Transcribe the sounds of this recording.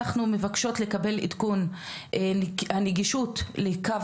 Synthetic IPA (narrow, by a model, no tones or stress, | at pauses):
aχnume̞vakʃo̞tle̞kabe̞lḭdkun | aneɡiʃutlekav